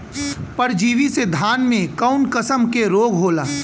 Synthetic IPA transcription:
pɐɾd͡ʒiːʋised̪ʱaːnmẽkaʊnkəsəmkeɾoːɡɦoːlaː

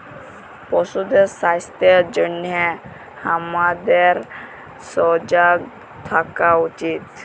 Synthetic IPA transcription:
pɔsud̪esast̪ed͡ʑənjɛ | hamad̪eɾ | sɔd͡ʑaɡ̚ | t̪ʰakaut͡ɕit̪

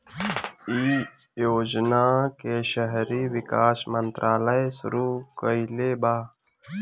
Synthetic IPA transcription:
iː | joːd͡ʒnaːkeʃəɦɾiːʋɪkaːʃmənt̪ɾʔaːləjsʊ̰ɾuːkəileːbaː

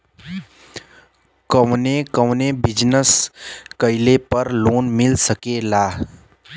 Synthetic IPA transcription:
kəʋnekəʋnebɪd͡ʒnəskəɪlepəɾloːnmɪlsəkelaː

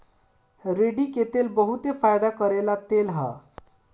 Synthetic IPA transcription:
ɾeɖiket̪elbəɦut̪efajd̪akəɾelat̪elɦa̰

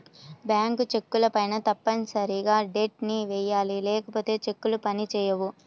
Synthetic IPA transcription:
bjaːŋkut͡ʃe̞kːulɐpɐjnɐt̪ɐpːɐnsɐɾiɡaːɖeːʈ̚niʋɛːjaːlilɛːkɐpo̞ːt̪e̞ːt͡ʃe̞kːulupɐnit͡ʃɛːjɐʋu

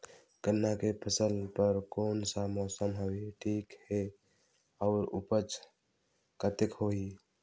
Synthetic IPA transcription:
kənːakepʰəsəlpəɾkonsamɔsəmɦowiʈʰikhe | aʊɾṵpət͡ʃʰ | kət̪ekɦoɦi

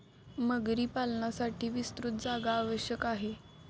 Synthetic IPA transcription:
məɡɾiːpalnasaʈʰiːʋist̪ɾut̪̚d͡zaɡaːʋəɕjəkaɦe

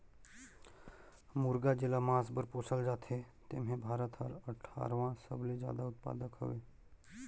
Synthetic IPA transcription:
mʊɾɡad͡ʒɪlamãːsbəɾpoːsʰəld͡ʒaːt̪ʰe | t̪ḛːmɦẽbʱaːɾət̪ʰəɾəʈʰa̰ːɾʋãsə̰bled͡ʒja̰ːd̪aʊt̪̚pa̰ːd̪əkɦo̰ʋeː

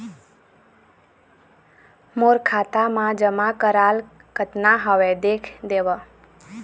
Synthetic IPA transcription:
moɾkʰat̪amãd͡ʒəmakəɾal | ɡ̥ət̪naɦəʋed̪ekʰd̪eʋə

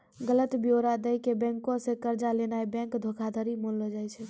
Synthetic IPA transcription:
ɡələt̪bjoɾad̪əjkebɛ̃ŋkõsẽkəɾd͡ʒalenajbɛ̃ŋkd̪ʱokʰad̪ʱəɾimolləd͡ʒajt͡ʃʰɛ

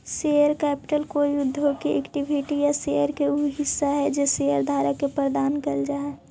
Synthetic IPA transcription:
seəɾkɛːpɪ̥ʈəlkoːijʊd̪ʱːɦokiʔɛ̰kʈibʱiʈijasejəɾkeuɦɪsːaɦɛd͡ʒeseəɾd̪ʱaːɾakepɾəɾd̪aːnkəld͡ʒaːe

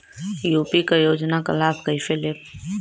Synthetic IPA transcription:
juːpikajoːd͡ʒnaka̰laːbkəifelɪp

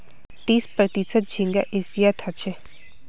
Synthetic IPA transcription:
t̪iːspɾɐt̪isət̪̚d͡ʒʱiŋɡa̰ʔesijat̪ʰat͡ʃʰe

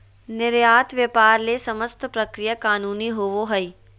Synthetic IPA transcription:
nɪɾjaːt̪ʋjɐpaːɾlesɐməst̪ʰpɾɐkɾijakaːnuːniɦoːʋoɦɐi

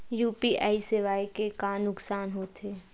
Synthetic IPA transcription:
juːpiʔaːisɪʋaːikekaːnnːʊksaːnɦoːt̪ʰeː

